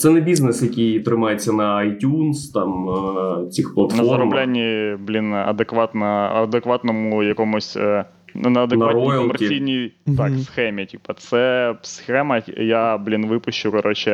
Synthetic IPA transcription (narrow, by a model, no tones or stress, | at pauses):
sɛnɛbʲiznɛsjɐkʲijt̪ɾɪmɑjet͡sʲːɐnɐɐjtʲunst̪ɑm | t͡sʲixplˠɐt̪nfɐɔzɐɾɔmblʲanʲːiblʲinɐ̰d̪ekʋɑt̪nɐɐd̪ekʋɑt̪nɔmʊjɐkɔmʊsʲ | nɐɐd̪enɐatɾnijɔɔmɛɾsʲijnʲijt̪ɑksxɛmʲitʲipɐt̪sɛsxɛmɐjablʲinʋɪpʊɕt͡ʃʊkɐɾɔt͡ʃɪ